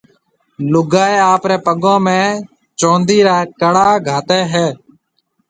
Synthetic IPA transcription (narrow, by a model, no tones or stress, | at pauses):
lʊɡaːeːaːpɾeːpəɠõːmẽː | t͡ʃõːnd̪iːɾaːkəɽaːɡʱaːt̪eːɦɛː